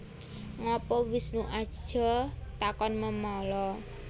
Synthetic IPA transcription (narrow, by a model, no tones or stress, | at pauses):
ŋɔpɔwɪsnuʔḁʒ̥ɔ̤t̪akɔnməmɔlɔ